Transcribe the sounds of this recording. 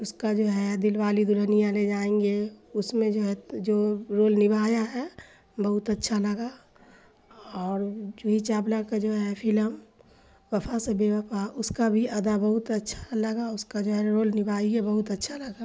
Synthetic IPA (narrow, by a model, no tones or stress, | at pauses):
ʊskad͡ʒoːɦɛd̪ɪlʋaːlid̪ʊlənijãled͡ʒaːẽːŋɡeʊsmẽd͡ʒoːɦɛd͡ʒoːɾoːlnɪbʱaːjaɦɛ | bəɦʊt̪ətːʃʰalɐɡa | ɔːɾd͡ʒoːɦit͡ʃaːblakad͡ʒoːɦɛpʰɪləm | ʋɐpʰasebeʋəpʰaʔʊskabʱiʔɐd̪abɐɦʊt̪ɐtːʃʰḁlɐɡaʊskad͡ʒoːɦɛɾoːlnɪbʱaːiɦɛbəɦʊt̪ɐtːʃʰalɐɡa